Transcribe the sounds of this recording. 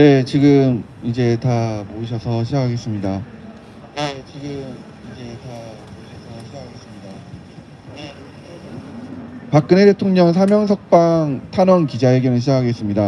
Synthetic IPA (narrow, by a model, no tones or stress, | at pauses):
ne̞t͡ɕiɡɯm | id͡ʑe̞tamoɯɕ̬ʰʌsʰʌɕʰid͡ʑakʰaɡe̞s͈ɯmɲida | je̞t͡ɕiɡɯm | id͡ʑe̞tamoɯɕʰʌsʰʌɕʰid͡ʑakʰaɡe̞s͈ɯmɲida | pak͈ɯnede̞tʰoŋɲʌŋsʰamjʌŋs̬ʰʌk̚p͈aŋtʰanwʌnkid͡ʑaɦeɡjʌnɯɭɕʰid͡ʑakʰaɡe̞s͈ɯmɲida